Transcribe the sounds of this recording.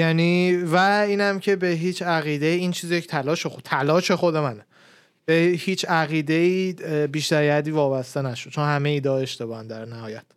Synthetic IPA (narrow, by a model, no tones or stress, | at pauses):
jæniːvæiːnæmcʰe̞be̞ɦiːt͡ʃʰæɣiːd̪eiint͡ʃʰiːzijecʰt̪ʰælɒːʃexot̪ʰælɒːʃe̞xo̞d̪e̞mæne | b̥ehiːt͡ʃʰæɣiːd̪e̞iːbiːʃt̪æɾjæd̪iːvɒːbæst̪e̞næʃod̥t͡ʃʰonhæmeiːd̪ɒːeʃt̪e̞bɒːhænd̪æɾnæhɒːjæt̪